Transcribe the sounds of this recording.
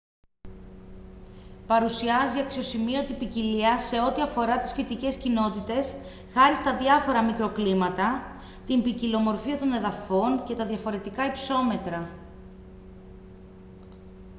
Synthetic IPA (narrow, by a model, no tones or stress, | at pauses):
pɐɾusiɐziɐksio̞simiɐt̪ipiciliɐse̞o̞t̪iɐfo̞ɾɐt̪i̥sfit̪ice̞scino̞t̪it̪e̞s | xɐɾist̪ɐðjɐfo̞ɾɐmikɾo̞klimɐt̪ɐ | t̪imbicilo̞mo̞ɾfiɐt̪o̞ne̞ðɐfo̞nce̞t̪ɐðʝɐfo̞ɾe̞t̪ikɐipso̞me̞t̪ɾɐ